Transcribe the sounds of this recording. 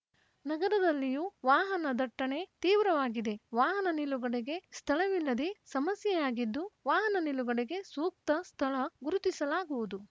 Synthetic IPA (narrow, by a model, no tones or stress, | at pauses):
nɐɡɐɾɐd̪ɐlːijuʋaːɦɐnɐd̪ɐʈːɐɳe̞t̪iːʋɾɐʋaːɡid̪e̞ʋaːɦɐnɐniluɡɐɽeɡe̞st̪ʰɐɭɐʋilːɐd̪esɐmɐsjɐjaːɡid̪ːuʋaːɦɐnɐniluɡɐɽeɡe̞suːk̚t̪ɐst̪ʰɐɭɐɡuɾut̪isɐlaːɡuʋud̪u